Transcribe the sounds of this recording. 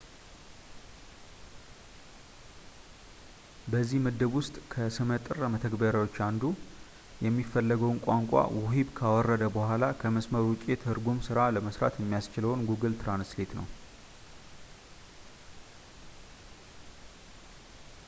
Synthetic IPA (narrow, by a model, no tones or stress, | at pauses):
bəzːihməd̪əβwʊst̪ʼkʰəsɨmət̪ʼɨrːəmət̪ʰəɡbəɾawo̞t͡ʃːand̪u | jɛmːifːəlːəɡəwnkʷʼaŋkʷʼa̰wɔɦibkʰawɔrːəd̪əbəhʷalakʰəməsməɾwʊt͡ʃʼe̞t̪ʰhɨɾɡumsɨɾaləməsɾa̰t̪jɛmːijast͡ʃɪləwnɡuɡɨlt̪ʰɾanslet̪nə̰w